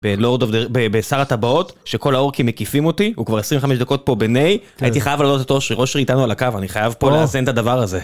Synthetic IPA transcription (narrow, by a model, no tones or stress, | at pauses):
belo̞ʁdovdebebesaʁat̪abao̞tʃe̞ko̞lao̞ʁkimːekifimo̞t̪iukvaʁesʁĩveχameʃd̪ako̞t̚po̞benej | ajit̪iχajavlaːlot̪et̪oʃʁiʁo̞ʃeʁitanualakavaniχajavpo̞leazent̪ad̪avaʁaze̞